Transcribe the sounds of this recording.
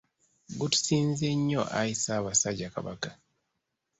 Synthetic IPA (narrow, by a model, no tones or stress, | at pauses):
ɡutu̥siːnzeɲːo̞ʔajisaːβasaɟaka̰βakḁ